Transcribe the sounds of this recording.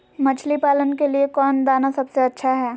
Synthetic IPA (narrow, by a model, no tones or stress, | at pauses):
mɐt͡ʃʰlipaːlənkeliekɔːnd̪aːnasɐbseɐtːʃʰaɦɛː